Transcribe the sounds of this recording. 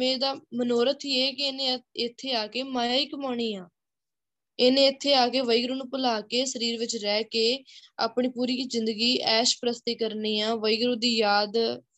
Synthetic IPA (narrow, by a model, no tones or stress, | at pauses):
ẽːd̪aːmənoːɾət̪ʰieːkɪeːnẽːɪt̪ʰːeːaːkeːmaːaːiːkəmaːɳ̃iːãː | eːnẽːɪt̪ʰːeːaːkeːʋəiɡɾũːnũːpəlaːkeːsəɾiːɾʋɪt͡ʃɾɛːkeːa̰ːpɳiːpuːɾiːzɪnd̪əɡiːɛːʃpəɾəst̪eːkəɾniːãːʋəiːɡɾũːd̪iːjaːd̪